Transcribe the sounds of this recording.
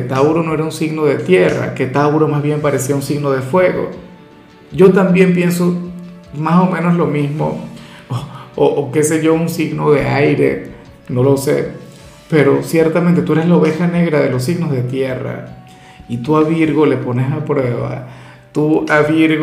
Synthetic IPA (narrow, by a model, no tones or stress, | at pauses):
et̪awɾo̞no̞e̞ɾaunsiɣno̞ðe̞t̪je̞ra̰ke̞t̪awɾomazβje̞mpaɾe̞siaunsiɣno̞ð̞e̞fwe̞ɣo̞̰ | ɟ͡ʝo̞t̪ambje̞mpje̞nso̞ | maso̞mẽ̞no̞slo̞mismo̰ | oʔːke̞se̞ʝo̞unsiɣno̞ðe̞̰ajɾe̞̰ | no̞lo̞se̞̰ | pe̞ɾo̞sje̞ɾt̪amẽnt̪e̞t̪ue̞ɾeslaoβe̞xane̞ɣɾaðe̞los̬iɣno̞zðe̞t̪je̞ra̰ | it̪uaβiɾɣoleponesapɾwe̞βa̰ | t̪uaβiɾɣ